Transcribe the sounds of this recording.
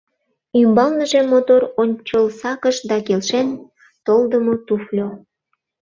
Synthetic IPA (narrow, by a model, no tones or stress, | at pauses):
ymbɑlnəʒemːot̪oɾonʲt͡ɕəlsɑkəʃd̪ɑkelʃen | t̪old̪əmot̪uflʲo